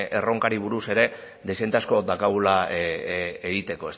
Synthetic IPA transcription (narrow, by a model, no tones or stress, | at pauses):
e̞ro̞ŋkaɾiβ̞uɾuse̞ɾe̞ | ðesent̪asko̞d̪akaɣula | eɣit̪e̞ko̞e̞s